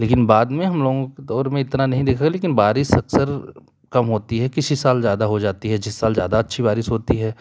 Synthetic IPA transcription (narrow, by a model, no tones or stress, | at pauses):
leːkɪnbaːd̪mẽɦɐmloːɡõked̪ɔːɾmẽɪt̪nanɐɦĩd̪eːkʰaɡɛleːkɪnbaːɾɪʃɐksəɾ | kɐmɦoːt̪iɦɛkɪsisaːlzjaːd̪aɦod͡ʒaːt̪iɦɛd͡ʒɪsːaːlzjaːd̪aɐtːʃʰibaːɾɪʃɦoːt̪iɦɛː